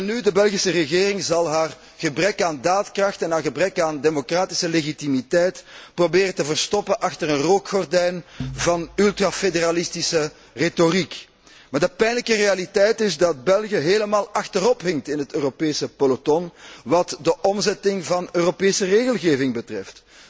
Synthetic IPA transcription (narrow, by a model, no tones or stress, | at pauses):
ɛnydəbɛlˠɣisərəɣeːrɪŋzɑlˠɦaːr | ɣ̥əbrɛkaːndaːtkrɑxtɛnɦaːrɣəbrɛkaːndemokraːtɪ̥səleɣitimitɛjtprobeːɾəntəvərstɔpənʔɑxtərənroːkxɔrdɛjnvɑnylˠtrafedeɾalɪstisə | retorik | maːrdəpɛjnləkərealitɛjtɪzdɑt̚bɛlˠɣjəɦeːləmaːlˠɑxtəɾɔpɦɪŋtɪnɦətøːropeːsəpolotɔnʋɑtdəʔɔmzɛtɪŋvɑnøːropeːsəreːɣəlˠɣeːvɪŋbətrɛft